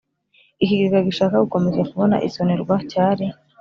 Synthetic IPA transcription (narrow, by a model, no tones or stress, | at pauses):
iciɡikaɡiʃaːkauko̞mezekuβo̞na̰ʔḭsoneɾɡwacaːɾi